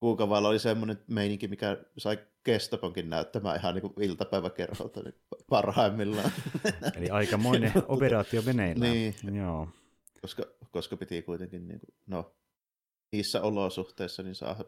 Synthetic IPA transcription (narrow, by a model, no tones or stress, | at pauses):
kuːkɑʋɑlːˑɑolisemːonenmeˑiniŋkimikæsɑˑikest̪ɑpoŋkinnæˑøt̪ːæmæ̰ːihɑnniːŋkuilt̪ɑpæˑeʋækerhɑ̰lt̪ɑnḭː | pɑrhɑˑemːilːɑ | o̰liɑikɑmoineoperɑːt̪iomenenniːjoː | koskɑkoskɑpit̪ikuit̪eŋkinnḭːŋkuno | niːsːæolosuht̪eˑisːɑninsɑ̰ˑːhɑ